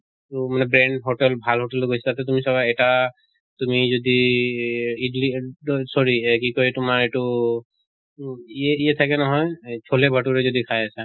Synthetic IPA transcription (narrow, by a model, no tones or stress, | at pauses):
tumanɛbɹeɳɖɦoʈɛlbʱalɦoʈɛlɡʱost̪at̪ɛt̪umisɔbajɛʈa | t̪umizod̪i | iɖlisɔɹikikɔɹit̪umaɹeʈu | ieiet̪ʰakɛnɔɦɔjt͡ʃʰolebʱaʈuɾezod̪ikʰajasa